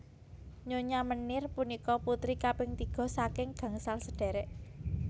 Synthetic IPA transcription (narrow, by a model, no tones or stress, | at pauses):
ɲoɲamənɪrpunikɔput̪ɾikapɪŋt̪iɡ̥ɔ̤sakɪŋɡ̥a̤ŋsalsəɖ̥ɛ̤ɾɛʔ